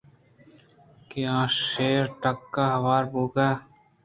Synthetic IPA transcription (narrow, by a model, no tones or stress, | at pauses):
kiãːʃeːɾʈɐkːaɦɐʋaːɾbuːkaː